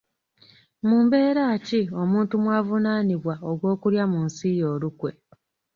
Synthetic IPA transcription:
muːmbe̞ːɾaːcio̞muːntumwaːvunaːniβwaoɡwo̞ːkuɾjamunsijo̞ːlukwe̞̰

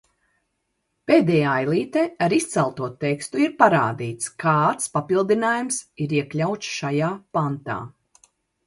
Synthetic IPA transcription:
peːd̪ɛjaːajlˠiːt̪ɛaɾist̪sɛlˠt̪uɔt̪ɛkst̪uiɾpaɾa̰ːd̪iːt̪skʰaːt̪spapilˠd̪inaːjumsiɾiɛklʲawt͡ʃ̪sʃajaːpant̪a̰ː

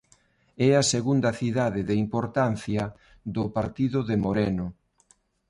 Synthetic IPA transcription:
ɛɐseɣund̪ɐθiðaðɪðeimpoɾt̪an̟θjɐ | ðʊpaɾt̪iðʊðemoɾɛnʊ

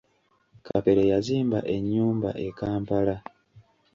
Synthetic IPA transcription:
kʰape̞ɾejaziːmbaʔe̞ɲːuːmba̰ʔe̞kaːmpala

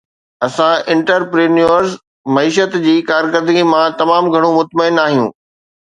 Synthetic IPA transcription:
ɐsãɪ̃ɳʈəɾpɾeːnuəɾz | mɐiːʃ̬ət̪d͡ʑiːkaːɾkəɾd̪ɡimãt̪ɐmaːmɡʱɐɽ̃omʊt̪məɪnaːɦijṵ̃ː

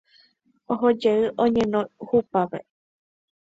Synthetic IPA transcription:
oɦod͡ʒeɨʔõɲẽnõhupaʋḛ

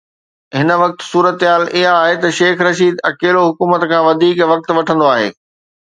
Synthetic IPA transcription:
ɦɪnə̆ʋɐk̚t̪suːɾət̪ɦaːlʔɪɦaːɦet̪ɐʃeːxɾɐʃiːd̪ɐkeːloɦʊkuːmət̪kʰãːʋɐd̪ʱiːkʋɐk̚t̪ʋɐʈʰə̃nd̪oaːɦḛː

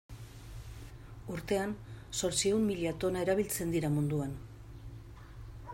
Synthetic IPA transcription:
uɾt̪e̞anso̞ɾt͡sie̞wmːiʎat̪o̞naeɾaβ̞ilt͡se̞nd̪iɾamund̪uan

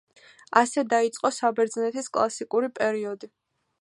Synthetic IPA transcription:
asɛd̪ait̪sʼqʼɔsabɛɾd̪znɛt̪ʰiskʼlˠasikʼuɾipʼɛɾiɔd̪i

